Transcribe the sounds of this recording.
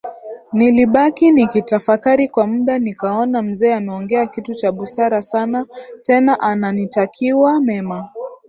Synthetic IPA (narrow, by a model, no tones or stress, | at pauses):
niliɓakinikitafakaɾikwamuɗanikaɔnam̩zɛːamɛɔŋɡɛakitut͡ʃaɓusaɾasanatɛnaʔananitakʰiwamɛma